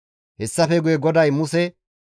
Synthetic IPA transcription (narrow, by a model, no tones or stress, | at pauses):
hɛsːɐfɛɡʊjɛɡɔd̪ɐjmʊsɛ